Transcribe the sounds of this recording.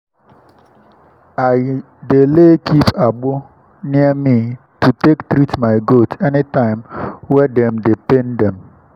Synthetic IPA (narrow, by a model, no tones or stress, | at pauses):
aɪ | delekʰipaɡ͡bʊ | niɛmi | tutektɾitmaɪɡotʰɛnitãɪ̃mwɛdɛmdependɛm